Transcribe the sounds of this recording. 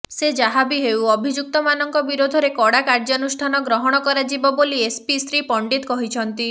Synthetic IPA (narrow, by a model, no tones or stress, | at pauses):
sed͡ʒaɦabiɦewɔbʱid͡ʒuk̚t̪ɔmanɔŋkɔbiɾod̪ʱɔɾekɔɽakaɾd͡ʒɔnusʈʰanɔɡɾɔɦɔɽ̃ɔkɔɾad͡ʒibɔboliespisɾipɔɳɖit̪kɔɦit͡ʃʰɔnt̪i